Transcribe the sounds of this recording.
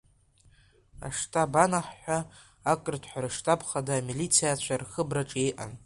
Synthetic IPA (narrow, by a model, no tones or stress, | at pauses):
a̰ʂtʰʼabanaħːʷᶣaː | kʼɨrtʰħʷᶣaɾɨʂtʰʼapʰχadaːmilit͡sʰijat͡ɕʷʰarχəbraʈ͡ʂʼejʔa̰n